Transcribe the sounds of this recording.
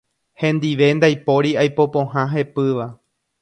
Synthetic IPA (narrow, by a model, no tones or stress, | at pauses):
hẽ̞nd̪iʋe̞nd̪ajpo̞ɾiajpo̞põ̞ɦãɦe̞pɨʋa